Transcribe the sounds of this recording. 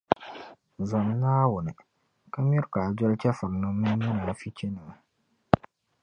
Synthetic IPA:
zɔ˨m˦naː˦wʊ˨nɨ˨ | ka˦m˦i˦ɾkaː˨d͡ʒɔ˦lt͡ʃɛ˦fɨ˨ɾnɨ˦mɨ˦nɛ˦na˨fi˦t͡ʃɛ˦nɨ˨

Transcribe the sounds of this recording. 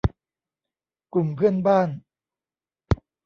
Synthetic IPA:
ku˨˩mpʰɯ˥˩ənbaː˥˩n

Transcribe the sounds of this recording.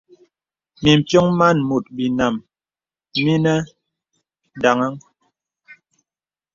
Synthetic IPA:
mi˨m̩˨pjo˦ŋma˦˨nmu˨t̚bi˨na˨m | mi˦nɛ˦ | da˨ŋa˦ŋ

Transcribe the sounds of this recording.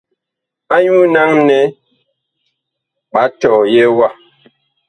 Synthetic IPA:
a˦ɲu˦na˦ŋnɛ˦ | pa˨˦tɔ˨jɛ˦wa˦˨

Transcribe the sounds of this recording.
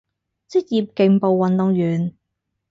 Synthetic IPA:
t͡si˥k̚jiː˧p̚ke˨˧ŋpo˨wːɐ˨nt̪ʊ˨˧ŋjyː˨˩n

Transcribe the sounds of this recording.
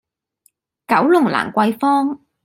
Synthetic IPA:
kɐ˨˥wlʊ˨˩ŋla̰ː˨˩ŋkʷɐ˧jfɔː˥ŋ

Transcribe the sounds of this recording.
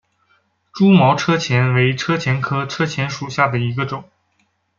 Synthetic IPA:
ʈ͡ʂu˥mɑ˧˥ʊʈ͡ʂʰɤ˥t͡ɕʰjɛ˧˥nwe˧˥ɪʈ͡ʂʰɤ˥t͡ɕʰjɛ˧˥nkʰɤ˥ʈ͡ʂʰɤ˥t͡ɕʰjɛ˧˥nʂu˨˩ɕja˥˩d̪ə˩i˧˥ɡə˧ʈ͡ʂʊ˨˩˦ŋ

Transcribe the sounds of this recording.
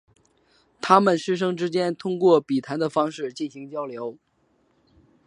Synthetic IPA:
t̪ʰa˥mə˨nʂɻ̩˥ʂ̬ɤ˥ŋʈ͡ʂɻ̩˥t͡ɕjɛ˥nt̪ʰʊ˥ŋkwɔ˥˩pi˨˩t̪ʰa˧˥nd̪ə˨fɑ˥ŋʂɻ̩˥˩t͡ɕi˥˩nɕi˧˥ŋt͡ɕjɑ˥ʊljo˧˥ʊ

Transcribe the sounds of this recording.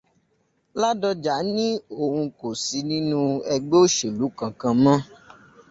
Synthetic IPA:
la˦dɔ˧d͡ʒa˨˦nĩ˦o˨hũ˧ko˨si˧nĩ˦nũ˦ɛ˧ɡ͡be˦o˦ʃe˨lu˨˦kã˨kã˧mã˦

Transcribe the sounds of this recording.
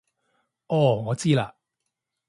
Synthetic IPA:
ɔː˧˩ŋɔː˨˧t͡siː˥laː˧

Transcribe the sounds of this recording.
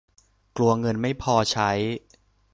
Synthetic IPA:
klu˧ɐŋɤ˧nma˥˩jpʰɔː˧t͡ɕʰa˦˥j

